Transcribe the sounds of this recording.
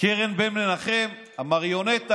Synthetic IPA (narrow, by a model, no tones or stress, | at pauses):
keʁenbemnenaχem | amaʁjonet̪a